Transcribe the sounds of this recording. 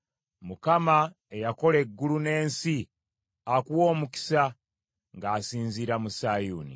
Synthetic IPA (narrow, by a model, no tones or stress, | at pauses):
mukama | ejako̞le̞ɡːulune̞ːnsi | akuwo̞ːmuki̥sa | ŋɡaːsiːnziːɾamusaːjuːnḭ